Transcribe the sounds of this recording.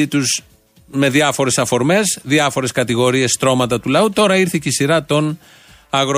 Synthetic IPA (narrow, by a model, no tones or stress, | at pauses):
it̪uz | me̞ðiɐfo̞ɾe̞sɐfo̞ɾme̞zðiɐfo̞ɾe̞skɐt̪iɣo̞ɾie̞st̪ɾo̞mɐt̪ɐt̪ulɐut̪o̞ɾɐiɾθiceisiɾɐt̪o̞n | ɐɣɾ